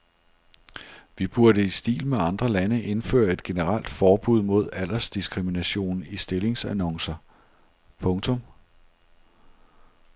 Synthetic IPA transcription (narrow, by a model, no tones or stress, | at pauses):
ʋib̥uɐɾəisd̥ḭːlmeɑ̈nd̥ʁɐlænəʔe̝nfø̰ːɐe̝d̥̚ɡ̥e̝nəʁɑl̰d̥fɒːb̥uð̞̰ˠmo̝ð̞ˠæl̰ɐsd̥isɡ̥ʰʁiminæɕo̝̰ːnisd̥e̝le̝ŋsænɒ̽ŋsɐ | pʰɔ̽ŋt͡sʰɔ̽m